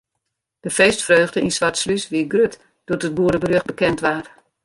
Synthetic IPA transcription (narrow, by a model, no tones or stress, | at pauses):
d̥əfeːstfrøːɣdəʔinsʋartslysʋiɡrøt | d̥uətət̚buəɾəbəɾøχ̚bəkɛntʋaːr